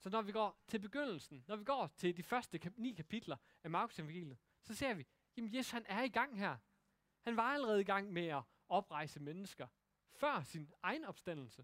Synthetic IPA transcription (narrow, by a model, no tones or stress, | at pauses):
sɒ̽nɒʋiɡ̥ɒ̰ːt͡sʰe̝b̥e̝ɡ̥øn̰l̩sn̩nɒʋiɡ̥ɒ̰ːt͡sʰe̝ldifɶɐsd̥əkʰnḭːkʰæpʰid̥lɐ | æmɑ̈ːkʰu̥semɡ̥ḛːlð̩ˠ | sɒ̽se̝ːɐ̰ʋi | jæmnje̝ːsu̥shænæɐiɡ̥ɑ̈ŋ̰ɦæɐ̰ | hænʋɑ̈æləʁɛːð̞̩ˠiɡ̥ɑ̈ŋ̰meæ | ɒ̽b̥ʁɑ̈ɪ̰səmenəsɡ̥ɐ | fɶɐ̰sinʔɑ̈ɪnɒ̽b̥sd̥æn̰l̩sə